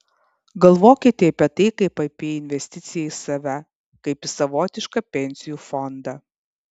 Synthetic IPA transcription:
ɡɐlˠʋoːkʲɪt̪ʲeɐpʲiɛt̪ɐɪkɐɪpɐɪpʲeːɪnʲʋʲɛsʲt̪ʲɪt̪sʲɪjɛisɐʋʲɛ | kɐɪpɪsɐʋoːt̪ʲɪʃkɐpʲɛnʲsʲɪjuːfɔnd̪ɑː

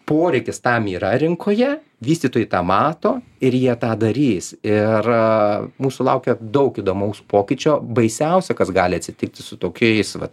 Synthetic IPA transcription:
poːɾʲɛɪkʲɪst̪ɐmiːɾɐɾʲɪŋkʰoːjɛ | ʋʲiːst̪ʲiːt̪oːjɪt̪ɑːmɑːt̪oːɪɾjiɛt̪ɑːd̪ɐɾʲiːsɪr | muːsʊlˠɐʊkʲɛd̪ɐʊkiːd̪oːmɐʊspoːkʲɪt͡ʃʲoːbɐɪsʲɛʊsʲɛkɐsɡɑːlʲɪɐt̪ʲsʲɪt̪ʲɪk̚t̪ʲɪsʊt̪oːkʲɛɪsʋɐ̰t̪

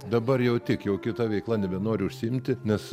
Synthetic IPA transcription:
d̪ɐbɐrjɛʊt̪ʲɪkjɛʊkʲɪt̪ɐʋʲɛɪklˠɐnʲɛbʲɛnoːɾʲʊʊʃʲsʲɪɪmʲt̪ʲɪnʲɛs

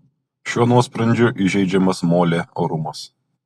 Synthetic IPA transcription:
ʃʲuɔnuɔspɾɐnʲd͡ʒʲʊʔɪʒʲɛɪd͡ʒʲɛmɐsmoːlʲeːoːɾʊmɐs

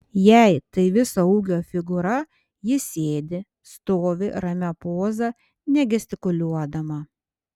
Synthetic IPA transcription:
jæɪt̪ɐɪʋʲɪsɐuːɡʲoːfʲɪɡʊɾɐ | jɪsʲeːd̪ʲɪ | st̪oːʋʲɪɾɐmʲɛpoːzɐ | nʲɛɡʲɛsʲt̪ʲɪkʊlʲuɔd̪ɐmɐ

